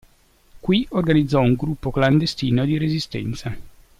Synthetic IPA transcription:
kwiorɡanid̪zːɔuŋɡɾupːokland̪est̪iːnod̪iɾezist̪ɛ̰nt̪sa

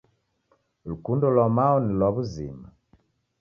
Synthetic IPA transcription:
lukundɔlɔmaɔnilwɔβuzḭma

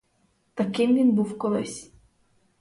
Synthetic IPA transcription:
t̪ɐkɪmʋʲinbuwkɔlˠɪ̰sʲ

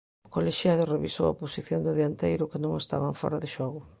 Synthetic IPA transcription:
ʊkoleʃjaðʊreβiso̰wɐ̰posiθjond̪ɪðeant̪ejɾʊkɪnõŋest̪a̰βaɱfɔ̰ɾɐðɪʃɔɣʊ

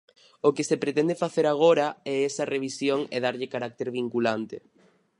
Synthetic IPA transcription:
okesepɾet̪ɛnd̪efaθeɾaɣ̞oɾaɛɛsɐreβ̞isjoŋɛðaɾʎɪkaɾak̚t̪eɾβiŋkulant̪e

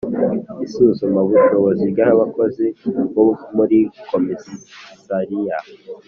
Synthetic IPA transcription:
isuzomaβuʃoβozibɡahaβako̞ziβomuɾikomezisaɾija

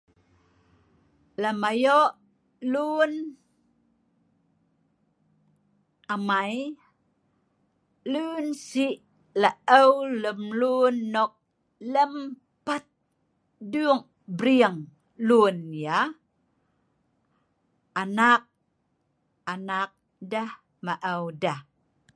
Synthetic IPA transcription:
lamajoʔ | lun | amaj | lunsiʔ | laʔəwləmlunːok̚ | ləm | pat̪̚ | duŋ | bɾiəŋ | lunja | anak̚ | anak̚ | dah | maʔəwdah

